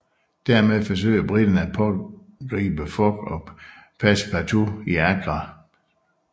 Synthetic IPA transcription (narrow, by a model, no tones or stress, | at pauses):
d̥æɐ̰meðˠfɒ̽s̬ø̰ɪɐb̥ʁid̥ɐnəæ̥pʰɒ̽ | ɡ̥ʁḭːb̥əfɒ̽ɡ̥ɒ̽pʰæspʰæt͡sʰo̝iæɡ̥ʁɑ